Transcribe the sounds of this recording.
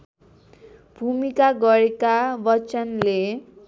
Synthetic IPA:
b̥ʱumikaɡʌɾekabʌt͡sʌnle

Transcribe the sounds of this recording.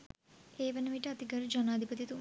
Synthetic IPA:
eːʋɐnəmiʈəɐt̪iɡɐɾud͡ʒɐnaːd̪ʱipɐt̪it̪u

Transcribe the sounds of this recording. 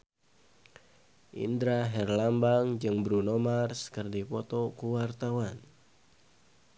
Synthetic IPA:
ʔḭndɾaɦɛrlambaŋd͡ʒɨŋbɾunɔmarskɨrdipɔt̪ɔkuwart̪awan

